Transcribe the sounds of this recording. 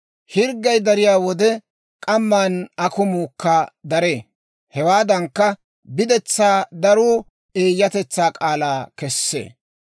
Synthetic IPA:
hɪɾɡːɐjd̪ɐɾɪjaːwɔd̪ɛ | kʼɐmːaːnɐkʊmuːkːɐd̪ɐɾe̞ː | hɛwaːd̪ɐŋkːɐ | bɪd̪ɛt͡sːaːd̪ɐɾuː | eːjːɐt̪ɛt͡sːaːkʼaːlaːkɛsːḛː

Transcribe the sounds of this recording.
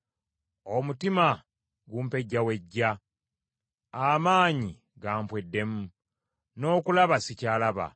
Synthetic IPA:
o̞mutima | ɡuːmpe̞ɟːawe̞ɟːa | amaːɲi | ɡaːmpwe̞dːe̞mu | no̞ːkulaβasicaːlaβa̰

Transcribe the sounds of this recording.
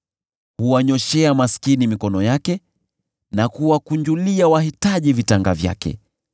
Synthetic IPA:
huwaɲɔʃɛamaskinimikɔnɔjakɛ | nakuwakuɲd͡ʒuliawahitaʄivitaŋɡavja̰kɛ̰

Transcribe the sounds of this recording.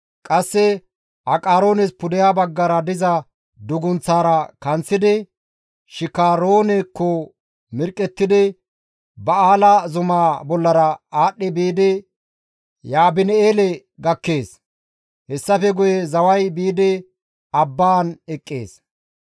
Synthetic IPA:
kʼɐsːɛ | ʔɐkʼaːɾo̞ːnɛspʊd̪ɛjaːbɐɡːɐɾɐd̪ɪzɐ | d̪ʊɡʊnt͡saːɾɐkɐnt͡sːɪd̪ɪ | ʃɪkaːɾoːnɛkːɔ | mɪɾkʼːɛt̪ːɪd̪ɪ | bɐaːlɐzʊmaːbɔlːɐɾɐaːɗːɪbiːd̪ɪ | jaːbɪnɛeːlɛ | ɡɐkːeːs | hɛsːɐfɛɡʊjɛzɐwɐjbiːd̪ɪ | ɐbːaːnɛkʼːḛːs

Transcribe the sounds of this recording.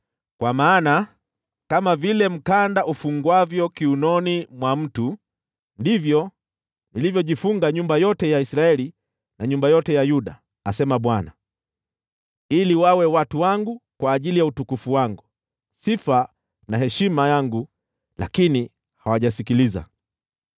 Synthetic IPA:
kwamaːna | kamavilɛm̩kandaʔufuŋɡwavjɔkiunɔnimwam̩tu | ndivjɔ | nilivjɔʄifuŋɡaɲumbajɔtɛjaisɾaɛli | naɲumbajɔtɛjajuɗa̰ː | sɛmaɓwana | iliwawɛwatuwaŋɡukwaːʄilijautukufuwaŋɡu | sifa | nahɦɛʃimajaŋɡu | la̰kini | hawaʄasikiliza̰

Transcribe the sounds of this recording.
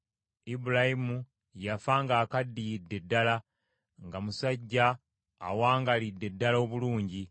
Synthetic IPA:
ibuɾahimu | jafaŋɡaːkadːijidːe̞dːala | ŋɡamusaɟːa̰ː | waːŋɡalidːe̞dːalo̞βuluːɲɟi

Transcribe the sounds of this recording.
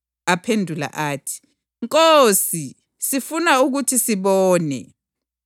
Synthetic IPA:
apʰendʱula̰ʔaːtʰi̥ | ŋkʼosi | sifunauk̬utʰisiɓɔːnɛ̰

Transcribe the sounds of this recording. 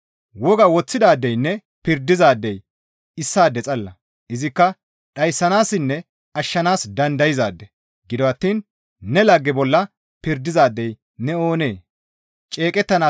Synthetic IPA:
wɔɡɐwɔt͡sːɪd̪aːd̪ːɛjnːɛ | pɪɾd̪ɪzaːd̪ːɛj | ɪsːaːd̪ːɛt͡sʼɐlːɐ | ɪzɪkːɐ | ɗɐjsːɐnaːsɪnːɛ | ɐʃːɐnaːsd̪ɐnd̪ɐjɪzaːd̪ːɛ | ɡɪd̪ɔɐt̪ːiːn | nɛlɐɡːɛbɔlːɐ | pɪɾd̪ɪzaːd̪ːɛj | nɛoːne̞ː | t͡ʃʼeːkʼɛt̪ːɐnaː

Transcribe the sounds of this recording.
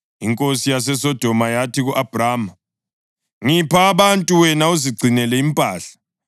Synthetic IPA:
iŋkʼosijas̬ɛsɔd̥ʱɔmajatʰiɣuʔab̥ʱraːma | ŋipʰaːβantʼuwɛnauziɡ͡ǀʱinɛlɛimpʼaːɬḁ

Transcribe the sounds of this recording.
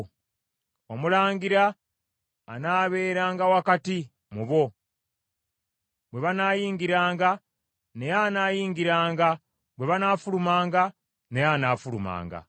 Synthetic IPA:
wamulaːŋɡiɾaː | naːβe̞ːɾaːŋɡawakati | muβo̞ | βwe̞βanaːjiːŋɡiɾaːŋɡa | nejanaːjiːŋɡiɾaːŋɡa | bwe̞βanaːfulumaːŋɡa | ne̞jaːnaːfuluma̰ːŋɡa̰

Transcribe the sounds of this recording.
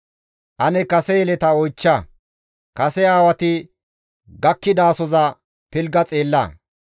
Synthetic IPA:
ʔɐnɛkɐsɛjɛlɛt̪ɐɔjt͡ʃːɐ | kɐsɛaːwɐt̪ɪ | ɡɐkːɪd̪aːsɔzɐ | pɪlɡɐt͡sʼe̞ːlːɐ̰

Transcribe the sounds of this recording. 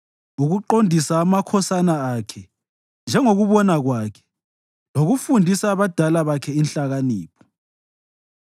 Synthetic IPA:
uɣuǃondʱisaːmakʰɔsanaakʰɛ | nd͡ʒʱɛŋoɣuβɔnaɣwakʰɛ̥ | loɣufundʱisaːβad̥ʱalaβakʰɛinɬaɣaniːpʰɔ̥

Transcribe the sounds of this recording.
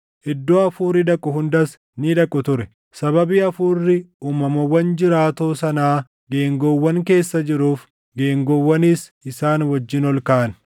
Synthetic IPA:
ʔɪd̪ːoːɐfuːɾɪd̪ɐkʼːʊɦʊnd̪ɐs | nɪᶑ̪ɐkʼːʊt̪ʊɾɛ | sɐbɐbiːɐfuːrːɪuːmɐmɐwːɐnd͡ʒɪɾaːt̪oːsɐnaː | ɡeːŋɡowːɐŋke̞ːsːɐd͡ʒɪɾuːf | ɡe̞ːŋɡowːɐniːsɪsaːnwɐd͡ʒːɪnɔlkaːɐn

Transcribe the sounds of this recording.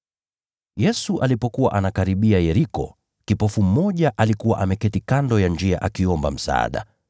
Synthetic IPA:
jɛsuʔalipɔkuwa̰ʔanakaɾiɓiajɛɾikɔ̰ | kipɔfum̩mɔʄaʔalikuwa̰ʔamɛkɛtikandɔjand͡ʒia̰ʔakiɔmba̰m̩sa̰a̰ɗa̰

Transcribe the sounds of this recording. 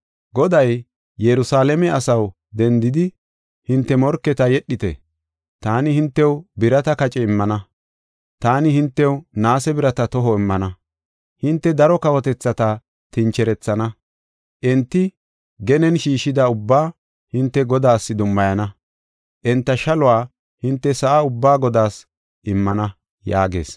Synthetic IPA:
ɡɔd̪ɐj | jɛɾʊsaːlɛmɛɐsɐw | d̪ɛnd̪ɪd̪ɪ | hɪnt̪ːɛmɔɾkːɛt̪ɐjɛɗːɪt̪ɛ̰ | t̪aːnɪhɪnt̪ːɛwbɪɾɐt̪ɐkɐt͡ʃʼɛɪmːɐnɐ | t̪aːnɪhɪnt̪ːɛwnaːsɛbɪɾɐt̪ɐt̪ɔɦɔɪmːɐnɐ | hɪnt̪ːɛd̪ɐɾɔkɐwɔt̪ɛt͡sːɐt̪ɐ | t̪ɪnt͡ʃɛɾɛt͡sːɐnɐ | ʔɛnt̪ːɪ | ɡɛnɛnʃiːʃɪd̪ɐʊbːaː | hɪnt̪ːɛɡɔd̪aːsːɪd̪ʊmːɐjɐnɐ | ʔɛnt̪ːɐʃɐlʊwaː | hɪnt̪ːɛsɐʔaʊbːaːɡɔd̪aːs | ʔɪmːɐnɐ | jaːɡe̞̰ːs

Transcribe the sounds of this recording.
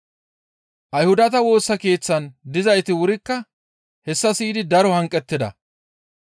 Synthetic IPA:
ʔɐjhʊd̪ɐt̪ɐwo̞ːsːɐke̞ːt͡sːɐnd̪ɪzɐjt̪ɪwʊɾɪkːɐ | hɛsːɐsiːd̪ɪd̪ɐɾɔhɐŋkʼːɛt̪ːɪd̪ɐ̰

